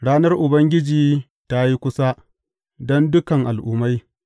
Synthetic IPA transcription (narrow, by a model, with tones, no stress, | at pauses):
ɽaː˦nɐ˦rʔʊ˨bɐ˦ŋɡʲɪ˦d͡ʒiː˨ | ta˦ji˦kʷʊ˦sa˦ | dɔ˦ndʊ˦kɐ˨ŋʔa˨lʔʊː˦ma˦j